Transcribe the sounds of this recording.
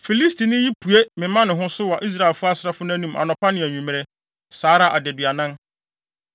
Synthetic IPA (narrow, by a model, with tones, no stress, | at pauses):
fi˨li˦stʰi˨nɪ̃˦ji˦pʰu˨e˦mɪ̃˨˦mã˦nɪ̃˨ɦʊ̃˦sʊ˦wa˨ʔi˦s̬ɾa˦˨e˨lfʊ˦a˦sɪ˨ɾa˦fʊ˦n˦æ̃˦nũ˦mʔa̰˨nɔ̃˨pʰa˦nɪ̃˨æ˨ɲᶣũ˨mɪ̃˨ɾɛ˦ | saː˨˦ɾa˦˨ʔa˨dɛ˨dɥa˨nã˦n